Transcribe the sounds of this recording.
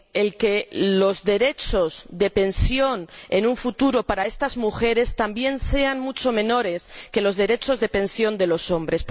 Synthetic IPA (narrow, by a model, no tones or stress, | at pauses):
elkelo̞zðe̞ɾe̞t͡ʃo̞zðe̞pe̞nsjo̞nenũɱfut̪uɾo̞paɾae̞st̪azmuxe̞ɾe̞st̪ambje̞nse̞anmut͡ʃo̞mẽ̞no̞ɾe̞ske̞lo̞zðe̞ɾe̞t͡ʃo̞zðe̞pe̞nsjo̞nd̪elo̞so̞mbɾe̞s